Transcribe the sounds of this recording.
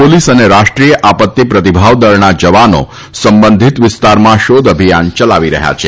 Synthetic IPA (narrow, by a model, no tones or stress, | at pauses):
polisəneɾaʃʈɾijəʔapət̪ːipɾət̪ibʱaʋd̪əɾnad͡ʒəʋano̰ | səmbənd̪ʱit̪ʋɪst̪aɾmãʃod̪əbʱijant͡ʃəlaʋiɾəɦja̰t͡ʃʰe